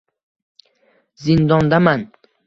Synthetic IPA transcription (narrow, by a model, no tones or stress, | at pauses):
zɪnd̪ɒnd̪aman